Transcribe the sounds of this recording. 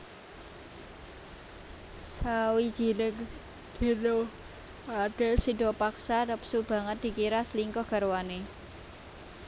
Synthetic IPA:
sawi̥d͡ʒ̥i̤nək | d̪̥i̤ɾo | aɖ̥ɛ̤lsiɖɔ̤paksarəpsub̥a̤ŋət̪̚d̥̪i̤kiɾasliŋkɔhɡ̥a̤ɾwane

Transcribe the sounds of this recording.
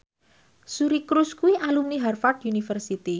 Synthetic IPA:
suɾikɾuskuiʔalumniɦarfatunifərsit̪i

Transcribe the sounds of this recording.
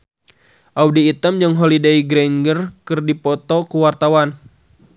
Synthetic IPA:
ʔawdiːt̪əmd͡ʒəŋɦolideiɡɾɛnɡərkɨrdipɔt̪ɔkuwart̪awan

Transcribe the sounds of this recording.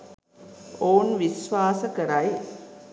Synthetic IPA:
oːnʋisʋaːsəkəɾɐj

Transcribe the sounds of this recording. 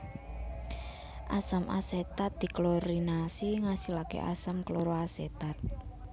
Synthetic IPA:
ʔasamʔa̰set̪at̪̚d̪̥i̤kloɾinasiŋasilakḛʔa̰samkloɾoaset̪at̪̚

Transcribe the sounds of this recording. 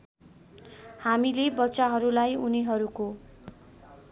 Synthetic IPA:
hamilebʌtːsaɦʌɾulajuniɦʌɾuko

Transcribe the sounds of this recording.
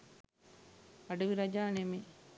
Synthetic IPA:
ɐɖuʋiɾɐd͡ʒaːnemi

